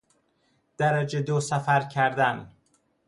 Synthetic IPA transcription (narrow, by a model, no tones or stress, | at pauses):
d̪̥æɾæd͡ʒed̪osæfæɾcʰæɾd̪æn